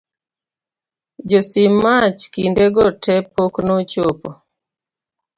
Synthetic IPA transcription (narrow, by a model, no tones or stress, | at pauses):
d͡ʒosimat͡ʃkindeɡɔtʰɛpoknɔt͡ʃopo